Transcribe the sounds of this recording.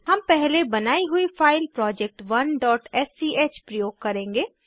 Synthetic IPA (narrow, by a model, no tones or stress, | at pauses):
ɦɐmpɛɦlebɐnaːiɦʊifʰaːɪlpɾɔːd͡ʒɛk̚ʈʋɐnɖɔːʈɛsiʔeːt͡ʃpɾɐjoːɡ̚kɐɾẽːŋɡeː